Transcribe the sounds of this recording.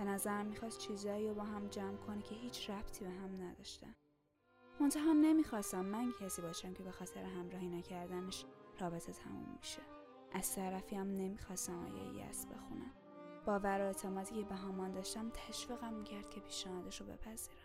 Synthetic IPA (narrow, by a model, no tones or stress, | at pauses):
b̥e̞næzæɾæmːixɒːst̪̚t͡ʃʰiːzɒːiːɾobɒːɦæmd͡ʒæmkʰo̞necʰe̞ɦiːt͡ʃʰɾæb̥t̪ʰiːbeɦæmnæd̪ɒʃt̪æ̰n | mont̪ʰæɦæmne̞miːxɒːst̪æmːæncʰæsiːbɒːʃæmcʰe̞be̞xɒːt̪ʰeɾeɦæmɾɒːhinæcʰæɾd̪æneʃrɒːbe̞t̪ʰe̞t̪ʰæmṵmːiʃe | ʔæz̥t̪ʰæɾæfiæmne̞mixɒːst̪æmɒ̰ːjḛj̰æ̰sbe̞̰xṵnæ̰m | b̥ɒːvæɾoet̪ʰemɒːt̪ʰiːcʰe̞beɦæmɒːnd̪ɒːʃt̪æmt̪ʰæʃviːɣæmːiːcʰæɾd̪̥̚cʲʰe̞pʰiːʃnæhɒːd̪eʃobe̞̰pʰæz̥iːɾæ̥m